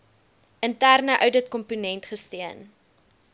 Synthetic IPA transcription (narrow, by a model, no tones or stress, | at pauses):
ʔəntærnəʔœwdətkɔmpunɛntχəstiən